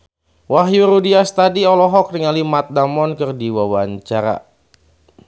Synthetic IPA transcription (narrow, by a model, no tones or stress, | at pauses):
waɦjuɾudiast̪adiɔlɔɦɔk̚dəŋalimat̪̚damɔnkɨrdiwawaɲt͡ʃaɾa̰